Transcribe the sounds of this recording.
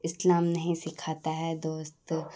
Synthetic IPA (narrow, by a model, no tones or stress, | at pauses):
ɪslaːmnɐɦĩsɪkʰaːt̪aɦɛd̪oːst̪